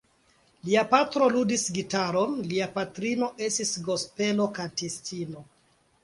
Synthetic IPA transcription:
liapatɾo̞ludisɡitaɾonliapatɾino̞ʔe̞stisɡo̞spe̞lo̞kantistino

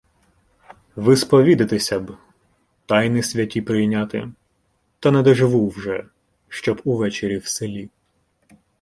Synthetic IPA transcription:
ʋɪspɔʋʲid̪ɪt̪ɪsʲɐb | t̪ɑjnisʲʋʲɐtʲipɾɪjnʲat̪ɪ | t̪ɐnɛd̪ɔʒɪʋuwʒɛ | ʃt͡ʃɔbuʋɛt͡ʃeɾʲiwselʲi

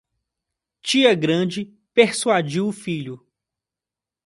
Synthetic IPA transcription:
t͡ʃiɐɡɾɐ̃d͡ʒɪ | peɾsuad͡ʒiwʊfiʎʊ

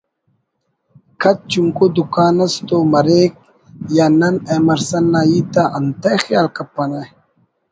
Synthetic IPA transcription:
kʰɐt̪̚t͡ɕuŋkod̪ukaːnɐst̪omɐɾeːk̚ | jaːnɐnemɐɾsɐnːaːjit̪aʔɐnt̪ɐxjaːlkɐpːɐnɐ

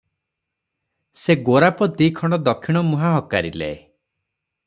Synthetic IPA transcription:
seɡoɾapɔd̪ikʰɔɳ̃ɖɔd̪ɔkʰːiɽ̃ɔmuɦaɦɔkaɾilḛe

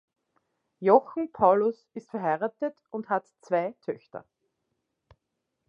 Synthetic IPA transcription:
jɔxn̩pʰaʊlʊs | ɪstfɛɐɦaɪʁatətʊnthatt͡sv̥aɪtʰœçtɐ̰

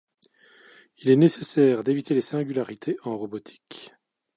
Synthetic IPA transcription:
ilɛnesesɛːʁd̪evit̪elesɛ̃ɡʲylaʁit̪ʰeʔɑ̃ʁɔbɔt̪ʰi̥k

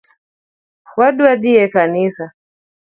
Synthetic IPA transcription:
hwaɗuaɗ̪iɛkanisa

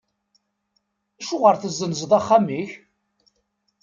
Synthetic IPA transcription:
æʃʊʁəɾθəzːənzðˤaχːamiç

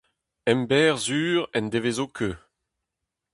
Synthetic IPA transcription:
ɛmbɛːʁzyːʁɛnd̪evezoːkʰøː

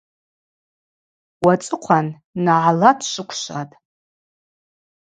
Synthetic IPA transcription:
wat͡sʼɨqʷʰanː | aʕalatʰʃʷɨkʷʰʃʷa̰tʼ

